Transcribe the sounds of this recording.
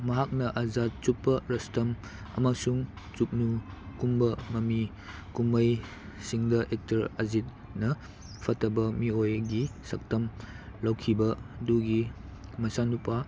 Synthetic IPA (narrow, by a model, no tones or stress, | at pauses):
mɐɦak̚nɐʔɐzat̚t͡ʃupːɐɾɐstɐm | ɐ̰masuŋ | t͡ʃuk̚nukumbɐmɐmi | kumɐj | siŋdɐʔek̚tɐɾɐzit̚ | nɐ | pʰɐtʰːɐbɐmiojɡisɐk̚tɐm | lɐwkʰibɐduɡimɐsanupa